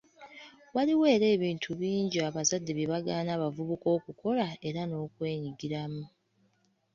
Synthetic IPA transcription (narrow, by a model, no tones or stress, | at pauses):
waliwe̞ːɾe̞ːβiːntʰuβiːɲɟiaβazadːeβjiβaɡaːnaːβavuβuko̞ːkuko̞lae̞ɾano̞ːkwe̞ːɲiɡiɾamu